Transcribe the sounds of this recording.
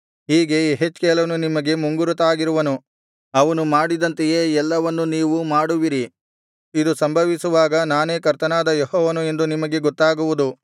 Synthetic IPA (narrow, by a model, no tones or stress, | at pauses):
ɦiːɡe̞ɦet͡ʃːkɛːlɐnunimɐɡe̞muŋɡuɾut̪aːɡiɾuʋɐnu | ɐʋɐnumaːɽid̪ɐnt̪eje̞ːɛlːɐʋɐnːuniːʋumaːɽuʋiɾi | id̪usɐmbʱɐʋisuʋaːɡɐnaːne̞ːkɐɾt̪ɐnaːd̪ɐjehɔːʋɐnue̞nd̪unimɐɡe̞ɡɔt̪ːaːɡuʋud̪u